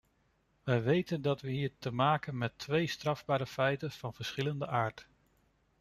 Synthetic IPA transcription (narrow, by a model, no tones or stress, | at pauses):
ʋəjʋejtəndɑtʋəɦiːɹtəmaːkənmɛtʋejstrɑvbaːɾəfɛjtənv̥ɑnv̥əɹsχɪləndəʔaːɹt